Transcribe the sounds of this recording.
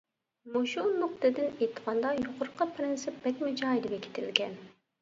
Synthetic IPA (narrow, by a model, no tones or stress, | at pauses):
muʃunːʊq̚t̪ɨd̪ɪnet̪ʰə̥ʁɑnd̪ɑjoqʊɾqʰːɑpʰɾɪnsɪp̚b̥ɛkʲmɪd͡ʒɑjd̪ɪbʲɛkʲʰɪ̥t̪ʰɪ̰lɡʲɛn